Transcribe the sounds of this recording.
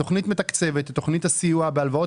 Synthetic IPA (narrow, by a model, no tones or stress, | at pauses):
o̞χnitmet̪akt͡se̞vet̪atːo̞χnithasijuabealvaot